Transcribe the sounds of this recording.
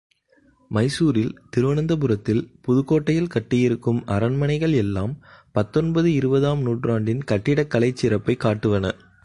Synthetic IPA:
mɐɪsuːɾɪlt̪ɪɾɯʋɐnɯnd̪ɐp̬ɯɾɐt̪ːɪlpʊðɯkːoːʈːɐjɪlkɐʈːɪjɪɾɯkːɯmɐɾɐnmɐnɐɪɣɐɭɛlːaːmpɐt̪ːɔnbɐðɯɪɾɯbɐðaːmnuːʈraːɳɖɪnkɐʈːɪɽɐkːɐlɐɪt͡ʃːɪɾɐpːɐɪkːaːʈːɯʋɐnɐ

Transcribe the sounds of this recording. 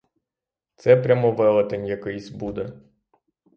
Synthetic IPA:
t̪sɛpɾʲamɔʋɛlˠɐt̪enʲjɐkɪjsʲbud̪ɛ

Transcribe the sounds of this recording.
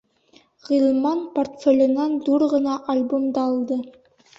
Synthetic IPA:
ʁilˠmɑnport̪fʲelʲɤ̆nɑnd̪uɾʁɤ̆nɑʔɐlʲbomd̪ɑːlˠd̪ɤ

